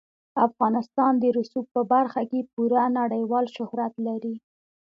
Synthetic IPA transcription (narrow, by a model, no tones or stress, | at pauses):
afɣɑnɪst̪ɑnd̪əɾʊsuk̚pəbaɾxakepuɾanaɽəjwɑlʃʊhɾat̪laɾi